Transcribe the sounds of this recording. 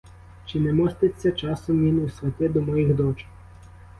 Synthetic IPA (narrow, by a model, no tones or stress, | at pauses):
t͡ʃɪnɛmɔst̪ɐt͡sʲːɐt͡ʃɑsʊmʲinwsʲʋʲɐt̪ʲɛd̪ɔmɔjixd̪ɔt͡ʃ